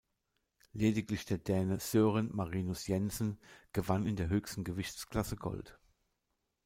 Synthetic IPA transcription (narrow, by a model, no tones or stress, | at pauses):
leːdɪklɪçd̥eːɐdɛːnəz̥øːʁənmaʁiːnʊsjɛnzn̩ɡ̥əvanɪndeːɐɦøːkstn̩ɡəvɪçt͡skl̥asəɡɔ̰lt